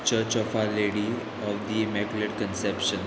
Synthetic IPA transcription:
t͡ʃəɾt͡ʃɔfaɾleɽi | ɔʋd̪imɛkuleʈkə̃nsɛpʃə̃n

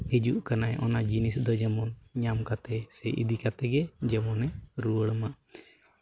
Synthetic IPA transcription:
hid͡ʒuʔkanajɛʔɔnad͡ʒinisd̪ɔd͡ʒɛmɔnɲamkat̪ɛsɛʔḭd̪ikat̪ɛɡɛd͡ʒɛmɔnɛɾuəɽmaʔ

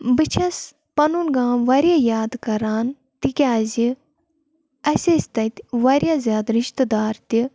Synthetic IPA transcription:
bɨt͡ʃʰɐs | pɐnunɡãːʋɐɾʲjaːjaːd̪kɐɾaːn | t̪ikʲaːzi | ɐsʲesʲt̪ɐt̪ʲʋɐɾjaːzʲaːd̪ɾiʃt̪ɨd̪aːɾt̪i

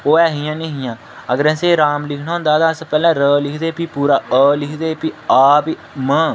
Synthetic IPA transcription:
oːɛːɦɪjãːnĩːɦɪjãː | əɡəɾɛ̃ːseːɾaːmlɪkʰɳaːõnd̪aːt̪ãːəspɛːlãːɾəːlɪkʰd̪eːpiːpuːɾaːəːlɪkʰd̪eːpiaːpi | mə̃ː

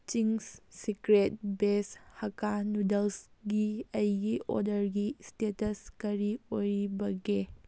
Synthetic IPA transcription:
t͡ʃiŋssikɾet̚beshɐkanudelsɡiɐjɡiʔo̰ɾdɐɾɡistetɐskɐɾiojɾibɐɡe

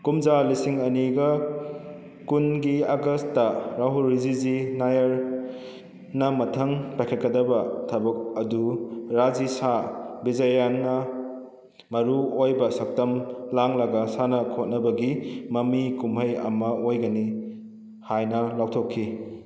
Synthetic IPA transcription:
kumd͡ʒalisiŋɐniɡɐ | kunɡiaɡɐstːɐɾaɦuɾizizinajɐɾ | nɐmɐtʰɐŋpajkʰet̚kɐdɐbɐtʰɐbɐk̚ɐduɾad͡ʒisabizɐjanːɐ | mɐɾuojbɐsɐk̚tɐmlaŋlɐɡɐsanɐkʰot̚nɐbɐɡimɐmikumɦɐjɐ̰mɐojɡɐni | hajnɐlawtʰokʰːi

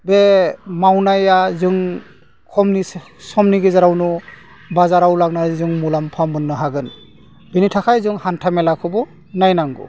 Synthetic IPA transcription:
bemawnajazɯŋ | kʰɔmni | sɔmniɡezaɾawnɔ | bazaɾawlaɡnazɯŋmulampʰambɯnːɯɦaɡɯn | b̥enitʰakʰajzɯŋhantʰamɛlakʰɯbɔ | najnaŋɡṵ

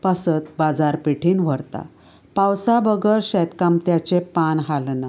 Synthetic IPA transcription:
pəsət̪̚bad͡zaɾpeʈʰiːnʋ̤əɽt̪a̰ | pawsabəɡəɾɕɛt̪kamt̪jat͡ɕepanɦalna

